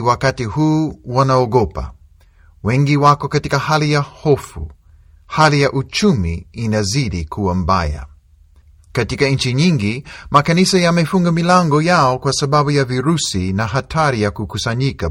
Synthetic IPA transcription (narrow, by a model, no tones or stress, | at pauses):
wakatihuːwanaɔɡɔpa̰ | wɛŋɡiwakɔkatikahalijahɔfṵ | halijaʔut͡ʃumiːnaziɗikʰuwam̩ba̰ja̰ | katikaɲ̩t͡ʃiɲiŋɡimakanisajamɛfuŋɡamilaŋɡɔjaɔkwasaɓaɓujaviɾusinaɦatʰaɾijakukusaɲika